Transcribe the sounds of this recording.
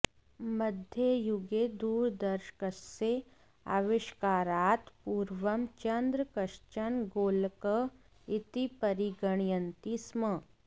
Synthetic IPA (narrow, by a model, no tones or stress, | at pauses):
məd̪ʱjəjuɡed̪uːɾd̪ɐɾʃkəsse | a̰ʋɪʃkaːɾaːt̪puːɾʋɐmt͡ʃɐnd̪ɾəkɐʃt͡ʃɐnɡoːlkə | ɪt̪ipɐɾiɡəɳ̃jənt̪ismə